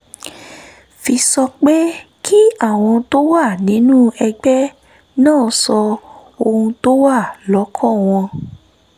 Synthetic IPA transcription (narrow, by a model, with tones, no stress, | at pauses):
fi˧sɔ˧k͡pe˦ | kʰi˦a˦˨w̃ɔ̃˧to˦wa˦˨nĩ˨˦nũ˦ɛ˧ɡ͡bɛ˦ | nãː˦˨˦sɔ˧o˧hũ˧to˦wa˦˨lɔ˨˦kʰɔ̃˦˨w̃ɔ̃˧